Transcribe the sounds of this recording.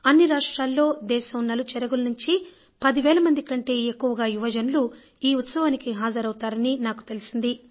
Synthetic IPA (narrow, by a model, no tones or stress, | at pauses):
ɐnːiɾaːʂʈɾaːlːo̞ːd̪ɛːʃɐmnɐlut͡ʃɛɾɐɡulɐnuɲt͡ʃi | pɐd̪iʋɛːlɐmɐnd̪ikɐɳʈe̞ːekːuʋɐɡaːiʋɐd͡ʒɐnulu | iːut̪sɐʋaːnikiɦaːd͡ʒɐɾɐwut̪aːɾɐninaːku̥t̪e̞lisind̪i